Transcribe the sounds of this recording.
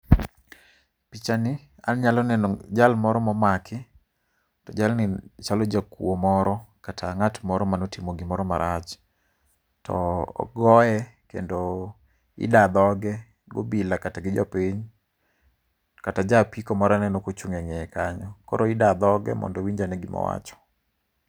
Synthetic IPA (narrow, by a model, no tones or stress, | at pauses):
pit͡ʃanɪ | anɲalɔnɛnɔd͡ʒalmɔɾɔmɔmakʰɪ | tɔd͡ʒalnɪt͡ʃalɔd͡ʒakw̰omɔɾɔkatʰaŋatmɔɾɔmanɔtimoɡɪmɔɾɔmaɾʔat͡ʃ | tʰɔ̰ːɡɔɛkḛndo | ɪ̰dad̪ɔɡɛ | ɡo̰bilakataɡɪd͡ʒɔ̰piɲ | katad͡ʒapikɔmɔɾanɛnɔkot͡ʃuŋɛŋɛɛkaɲɔkɔ̰ɾoɪdad̪ɔɡɛ̰mɔ̰ndɔwiɲd͡ʒanɛɡɪmɔ̰wa̰t͡ʃɔ̥